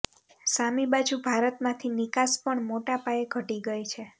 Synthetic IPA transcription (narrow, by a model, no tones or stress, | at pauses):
samibad͡ʒubʱaɾət̪mãt̪ʰinikaspəɳmoʈapaeɡʱəʈiɡəjt͡ʃʰe